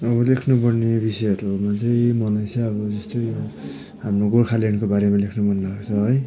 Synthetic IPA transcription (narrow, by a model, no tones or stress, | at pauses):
ʌbʌlekʰnupʌrnebisʌjʌɾumat͡sʌj̃mʌlajsaʌbʌd͡zʌst̪ojo | ɦamroɡorkʰaleɳkobaɾemalekʰnubʌnːakt͡sʰʌɦʌj